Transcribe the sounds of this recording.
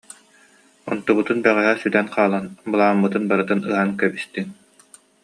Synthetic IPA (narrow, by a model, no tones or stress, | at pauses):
ɔ̰nt̪uβut̪unbɛʁɛɦɛsyt̪ɛnqʰaːlˠanbɯlˠaːmːɯt̪ɯnbaɾɯt̪ɯnɯɦankɛbist̪in